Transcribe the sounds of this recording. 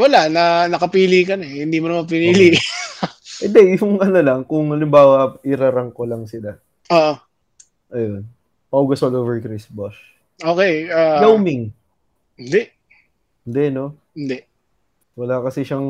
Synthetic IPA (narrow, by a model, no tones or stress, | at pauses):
wɐlanɐnɐkɐpiːliːkɐnɛhɪnd̪iːmʊnɐmɐp̬ɪniliː | ʔɪd̪ɛjʊŋʔɐnolɐŋkʊŋɐlɪmbaːwɐʔɪɾaɾɐŋko̞lɐŋsɪla | ʔoːʔo | ʔɐjo̞n | pɐʔuɡɐsoloːvɛɹkɾisboʃ | oːkɛjaːjawmɪŋ | ɪnd̪ɛʔ | hɪnd̪ɛno̞ | ɪnd̪ɛʔ | wɐlakɐsɛʃaŋ